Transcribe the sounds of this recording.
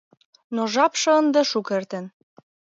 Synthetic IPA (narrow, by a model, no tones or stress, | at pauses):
noʒɑpʃɤ̆ənd̪ɤ̆ʃukert̪ə̆n